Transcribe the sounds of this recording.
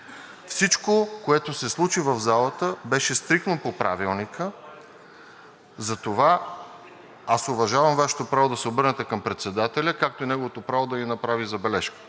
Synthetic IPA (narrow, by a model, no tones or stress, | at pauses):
fsit͡ʃkokoɛt̪osɛslˠut͡ʃivəvzalˠət̪əbɛʃɛst̪ɾikt̪nopopɾʔa̰vilˠnikə | zɐt̪ova | asovɐʒavɐmvaʃɛ̥t̪opɾavod̪ɐsɛobɤɾnɛt̪ɛkɐmpɾɛt̪sɛd̪at̪ɛlʲəkak̚t̪oinɛɡovot̪opɾavod̪ɐɡinɐpɾavizɐbɛlɛʃkə̥